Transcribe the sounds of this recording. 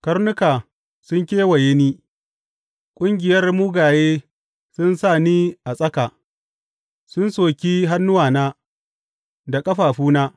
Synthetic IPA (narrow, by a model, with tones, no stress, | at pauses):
kɐ˦rnʊ˦kaː˨ | sʊ˦ŋkʲeː˦wɐ˨jeː˦niː˦ | kʷʼʊ˦ŋɡʲɪ˨jɐ˦rmʊ˦ɡaː˨jeː˦ | sʊ˦nsaː˦˨niː˦ʔa˨sʼɐ˦kaː˨ | sʊ˦nsoː˨kʲiː˦ɦa˦nːʊ˦waː˨naː˦ | da˨kʼɐ˦ɸaː˨ɸuː˦naː˦